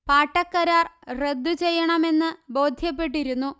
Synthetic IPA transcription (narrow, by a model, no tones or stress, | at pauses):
paːʈːɐkːɐɾaːrre̞d̪ːut͡ɕe̞jːɐɳɐme̞nːɨbo̞ːd̪ʱjɐpːe̞ʈ̬ːiɾunːu